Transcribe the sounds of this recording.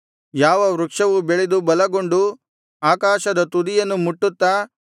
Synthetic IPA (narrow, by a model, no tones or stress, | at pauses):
jaːʋɐʋɾukʂɐʋubeɭed̪ubɐlɐɡo̞ɳɖu | aːkaːʃɐd̪ɐt̪ud̪ijɐnːumuʈːut̪ːaː